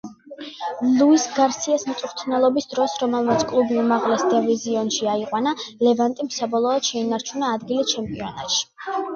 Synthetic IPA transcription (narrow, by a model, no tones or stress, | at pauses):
lˠuisɡaɾsiasmt̪sʼuɾt̪ʰnɛlˠɔbisd̪ɾɔsɾɔmɛlˠmat̪sʰkʼlˠubiumaʁlɛsd̪ɛviziɔnʃiaiqʼwanalɛvant̪ʼimsabɔlˠɔːd̪̥ʃɛinaɾt͡ʃʰunaːd̪ɡilit͡ʃʰɛmpʼiɔna̰t̪ʃi̥